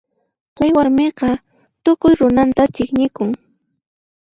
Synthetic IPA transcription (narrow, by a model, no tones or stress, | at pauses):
t͡ʃajwaɾmeqɑ | t̪ʊkʊjɾʊnant̪at͡ʃɪkɲɪkʊŋ